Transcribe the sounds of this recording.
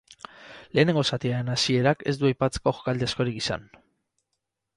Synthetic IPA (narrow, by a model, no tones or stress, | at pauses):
le̞ːne̞ŋɡo̞sat̪iaɾe̞nasie̞ɾake̞̰zd̪uajpat͡se̥ko̞xo̥kald̪easko̞ɾikisa̰n